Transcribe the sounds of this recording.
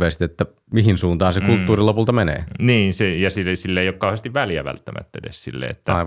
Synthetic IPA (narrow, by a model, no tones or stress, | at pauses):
ʋeist̪et̪ːæ | mihinsuːnt̪ɑːnsekult̪ːuːrilopult̪ɑmenḛːniːnsejɑsisilːeeˑijokkɑˑuhest̪iʋʋæljæ̰ʋæ̰lt̪ːæmæ̰t̪ːæ̰dḛssḭlːḛḛt̪ːæi